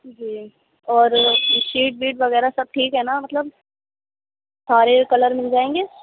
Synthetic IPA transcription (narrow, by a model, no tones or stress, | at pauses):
d͡ʒiː | ɔːɾʃiːʈ̚biːʈʋɐɣɛːɾasɐb̚ʈʰiːkɦɛnamɐt̪ləb | saːɾekɐləɾmɪld͡ʒaːẽːŋɡeː